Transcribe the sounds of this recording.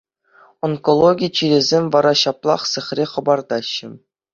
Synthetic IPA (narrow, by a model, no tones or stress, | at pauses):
onkolˠoɡʲijt͡ɕiɾʲĕzʲemʲʋɑɾɑɕɑplˠɑ̰χsɘ̆χʲrʲeχɤ̆bɑrd̪ɑɕːɘ̆